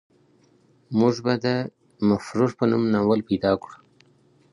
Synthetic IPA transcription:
mʊʐbad̪ə | mafɾuɾpənumnawəlpejd̪ɑkɽu

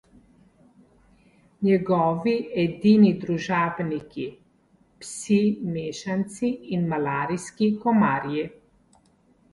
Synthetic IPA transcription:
ɲɛɡɔːʋiɛd̪iːnid̪ɾuʒaːbniki | psimeːʃant̪siːnmalaːɾiskikɔmaːɾji

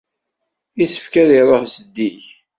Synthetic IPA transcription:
isəfkæðiɾˤəʁsəd̪ːiç

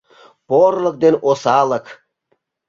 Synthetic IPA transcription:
poɾlˠək̚d̪enʔosɑːlˠək

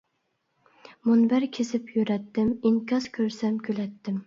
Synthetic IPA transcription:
monbæɾkʲʰesɪpʰjyɾɛt̪ːɪmɪŋkʰʲɑzkʲʰøɾsɛmkʲʰølɛt̪ʰːɪm

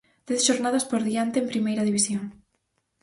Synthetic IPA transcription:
d̪̥ɛθʃoɾnaðɐspoɾðiant̪eːmpɾimejɾɐðiβ̞isjoŋ

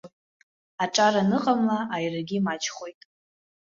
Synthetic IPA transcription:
aʈ͡ʂʼaɾanɨqʼamlaajraɡʲimat͡ʃʰʼχo̞jtʼ

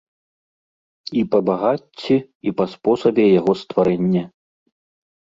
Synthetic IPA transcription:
ipɐbaɣat͡sʲːi | ipɐspɔsɐbʲɛjaɣɔst̪vaɾɛnʲːɛ

